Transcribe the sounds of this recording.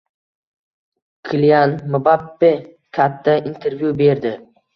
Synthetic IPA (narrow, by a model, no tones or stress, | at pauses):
kʰɪljanmʊbapːe | kʲʰat̪ʰːaint̪ʰe̞ɾvjube̞ɾd̪ɪ